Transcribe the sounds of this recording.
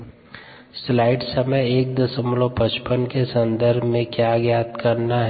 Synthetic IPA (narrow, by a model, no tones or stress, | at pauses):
slaːɪɖsɐməjeːk̚d̪əsəmlõpɐt͡ʃpənkesɐ̃nd̪əɾbʱmẽkjaɡjaːt̪kɐɾnaɦɛ